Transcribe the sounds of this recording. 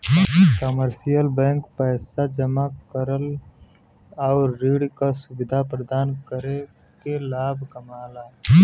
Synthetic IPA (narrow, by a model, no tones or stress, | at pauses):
kəməɾsijəlbɛ̃ːŋkpɛːsad͡ʒəmakəɾəl | ɔʊɾːiːɽkasʊʋɪd̪ʱapɾəd̪aːnkəɾe | kelaːbʱkəmaːlaː